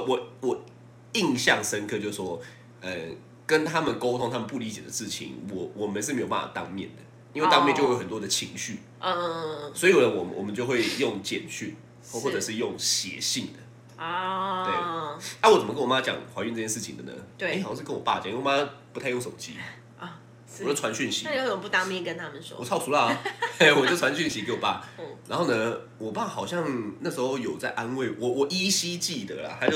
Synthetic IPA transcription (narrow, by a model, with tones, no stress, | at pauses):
wɔ˨˩wɔ˨˩ | i˥˧ŋɕjɑ˥˨ŋʂə˦nkʰɤ˥˧t͡ɕjo˥˧sʂ̩˥˩ʂwɔ˥ | ə˧˩ | kə˦˥nt̪ʰa˦mə˨nko˥ʊt̪ʰʊ˦ŋt̪ʰa˥mə˨npu˥˩li˨˧˥t͡ɕjɛ˨˩d̪ə˦ʂɻ̩˥˩t͡ɕʰḭ˨˦ŋwɔ˨˩˦wɔ˨˩mə˦nʂ̬ɻ̩˥˩e˧˥jo˨pa˥˩fa̰˨˩t̪ɑ̰˧ŋmjɛ̰˥˩nd̪ə˩ | i˥n̩we˥˧t̪ŋmɛ˥˧nt͡ɕo˥˧˥o˧˩ə˨˩nt̪wɔ˥d̪ə˨t͡ɕʰi˧˥ŋɕy˥˩˥ | swɔ˧˥i˨˩˨lə˨˦wɔ˨˩mənwɔ̰˨˩mə˦t͡ɕo˥˧xwe˥˧ɪjo˥˨ŋt͡ɕjɛ˨˩nt͡ɕʰy˥˩ | xwɔ˥˩ʈ͡ʂɤ˨˩ʂɻ̩˥˧jo˥˨ŋɕjɛ̰˨˦ɕi˥˨˩ŋd̪ə˩ | t̪we˥˩ɪa˥˩wɔ˨˩t͡sə˨mə˦kə˥wɔ˨˩ma˦˥t͡ɕjɑ̰˨˩ŋxwa˧˥ɥy˥˧nt͡sɤ˥˧t͡ɕʰɛ˥nʂɻ̩˥˩t͡ɕʰḭ˧ŋd̪ə̰˨nə̰˦˥˧xʂɻ̩˥kə˦nwɔ˨˩pa̰˥˩˨t͡ɕŋ˨˥˩wɔ˨˩ma˦˥pu˧t̪ʰa˥˧ɪjŋʂo̰˨˩˨t͡ɕʰḭ˥˩ | wo˥˩wa˧˦nɕy˥˩nɕḭ˧˦˥jo˥˨˦pu˧˩t̪a˥˧mi˥˨˩kə˦nt̪ʰa˥mə˨nʂɔ̰˦wɔ˨˩ɑ˥˩ʊtʰu˧˥lə˨e˥˩wɔ˨˩t͡ɕo˥˩ʈ͡ʂʰwa˧˦nɕy˥˩nɕi˧˥ke˧ɪwɔ˨˩pa̰˥˩ɻa˧˥nxo˥˩ʊnə˧ | wɔ˨˩pa˥˩xɑ˨˩ʊɕjɑ˥˩ŋna˥˩ʂ̩˧˥xo˥˧ʊjo˨˩ʊt͡sa˥˩ɪʔa˦nwe˥˩ɪwɔ˨˩wɔ˨˩ʔi˥ɕi˥t͡ɕi˥˩d̪ə̰˨˩lɐ̰˨˩xa˧˥t͡ɕo˥˩